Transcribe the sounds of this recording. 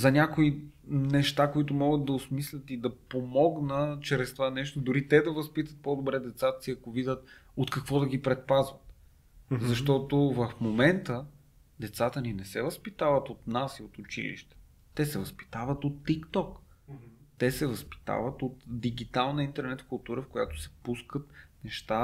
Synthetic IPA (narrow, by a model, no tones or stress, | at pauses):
zɐnʲakoinɛʃt̪akoit̪ʊmɔɡəd̪d̪ɐʊsmislʲət̪id̪ɐpomɔɡnət͡ʃɾɛst̪ovanɛʃt̪od̪ʊɾit̪ɛd̪ɐvɐspit̪ət̪̚pɔd̪obɾɛd̪ɛt̪sat̪ə̥siɐkovid̪ʲət̪ | ot̪kɐkvɔd̪ɐɡ̟ipɾɛt̪̚pazvət̪̚ | zɐʃt̪ɔt̪ovɐfmomɛnt̪ə | d̪ɛt̪sat̪əninɛsɛvəspit̪avət̪ot̪nasiot̪ʊt͡ʃḭlḭʃt̪ɛ̥ | t̪ɛsɛvɐspi̥t̪avət̪ot̪ːikt̪ɔk | t̪ɛsɛvɐspi̥t̪a̰vət̪ot̪d̪iɡit̪alˠnəint̪ɛɾnɛt̪fkʊlˠt̪uɾəfkojat̪o̥sɛ̥puskət̪nɛʃt̪a